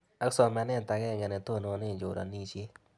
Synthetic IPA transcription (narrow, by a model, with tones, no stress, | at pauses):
a˦ksɔ˨mɛ˨nɛ˦˨t̪a˨ɡɛ˦˨ŋɛ˨nɛ˨t̪o˦˨no˨˦nɪ˦˨d͡ʒo˨ɾa̰˨ni˦t͡ʃe˦